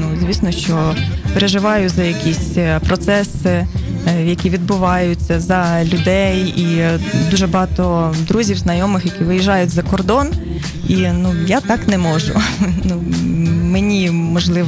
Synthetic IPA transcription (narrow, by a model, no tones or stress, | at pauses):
nuzʲʋʲisnɔʃt͡ʃɔpeɾeʒɪʋɑjʊzɐjɐkʲisʲpɾɔt̪sɛsɪ | jɐkʲiʋʲid̪̚bʊʋɑjʊt͡sʲːɐzɐlʲʊd̪ɛjid̪uʒɛbɔɦɑt̪ɔd̪ɾuzʲiwznɐjɔmɪxjɐkʲiʋɪjiʒɑjʊtʲzɐkɔrd̪ɔn | inujat̪ɑknɛmɔʒʊ̰numenʲimɔʒlˠɪ